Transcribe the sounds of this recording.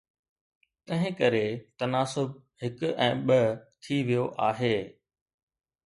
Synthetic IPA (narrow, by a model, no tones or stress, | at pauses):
t̪ɐ̃ɦɪ̃kɐɾet̪ɐnaːsʊb̚hɪkʊɛ̃ːɓɐt̪ʰiʋijoʔaːɦeː